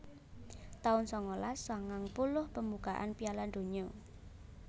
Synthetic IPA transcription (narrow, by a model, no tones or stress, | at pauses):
t̪aʊnsɔŋolaswaŋaŋpulʊhpəmbuɡ̥aʔa̰npialand̪o̤ɲɔ